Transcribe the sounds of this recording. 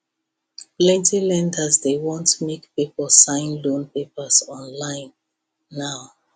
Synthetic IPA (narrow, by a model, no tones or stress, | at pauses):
plɛ̃ntʰilɛ̃ndəzdewɔ̃ntmekpipəlsãɪ̃nlõnpepəsɔ̃nlãɪ̃nː | aʊ